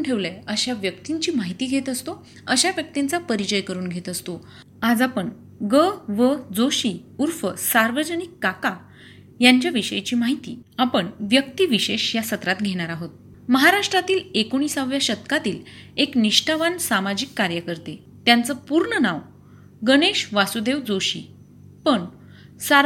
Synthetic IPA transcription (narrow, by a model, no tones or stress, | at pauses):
ɳʈʰeʋləəɕaʋjəkt̪iɲt͡ɕiːmaɦit̪iːɡʱet̪əst̪o | əɕaʋjək̚t̪int͡sapəɾit͡ɕəjkəɾuːnɡʱet̪əst̪o | ad͡zapəɳ | ɡəʋəd͡zoɕiː | uɾfəsaɾʋəd͡ʑənikːaka | jaɲt͡ɕjaʋiɕəjt͡ɕiːmaɦit̪ḭːapəɳʋjək̚t̪iːʋiɕeɕjasət̪ɾat̪ɡʱeɽ̃aɾaɦot̪̚ | məɦaɾaʂʈɾat̪iːlekoɽ̃iːsaʋjaɕət̪kat̪iːlekniʂʈaʋansamad͡ʑikːaɾjəkəɾt̪e | t̪jant͡səpuɾɳənaʋ | ɡəɽ̃eɕʋasud̪eʋd͡zoɕḭː | pəɳ | sa